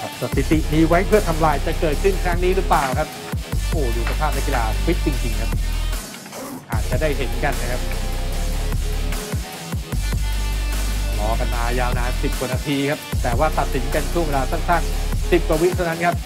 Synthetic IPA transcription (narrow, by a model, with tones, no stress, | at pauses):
sa˨˧˩t̪ːi˨˩t̪i˨˩miː˧wa˦˥jpʰɯ˥˩ɐt̪ʰa˧mlaː˧jt͡ɕa˨˩kɤː˨˩t̪̚kʰɯ˥˩nkʰɾa˦˥ŋniː˦˥ɾɯ˦˥plaː˨˩wkʰa˦˥p̚ | ʔoː˨˩duː˨˩kʰa˧pʰaː˥˩p̚na˦˥k̬i˨laː˧wi˦˥t̪̚t͡ɕi˧ŋt͡ɕi˧ŋkʰa˦˥p̚ | ʔaː˨˩t̪̚t͡ɕa˨˩daː˥˩jɦe˨˦nka˧nːa˦˥kʰa˦˥p̚ | lɔː˧˦ka˧nmaː˧jaː˧wnaː˧˥nsi˨˩p̚ku˨˩˨naː˧t̪ʰiː˧kʰa˦˥p̚t̪ɛː˨˩waː˥˩t̪a˨t̪̚si˩˦nka˧nt͡ɕʰu˥˩ŋwe˧laː˧sa˥˩ŋsa˥˩nsi˨˩p̚ka˧wi˦˥t̪ʰna˦˥nkʰa˦˥p̚